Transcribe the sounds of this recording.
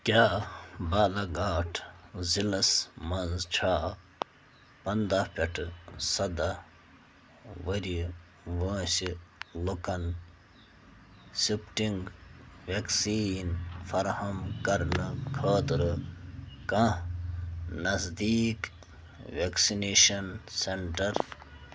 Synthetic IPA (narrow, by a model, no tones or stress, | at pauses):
kʲjaːbaːlɐɡaːʈʰzilɐsmɐnzt͡ʃʰaː | pɐnd̪apʲeʈʰsɐd̪a | ʋɐɾi | ʋɐ̃ːsilukɐn | sipʈiŋɡʋeksiːnfɐɾhɐmkɐɾnɨkʰɐːt̪ɾɨ | kɐ̃ | nɐzd̪iːk | ʋeksineːʃɐnseɳʈɐɾ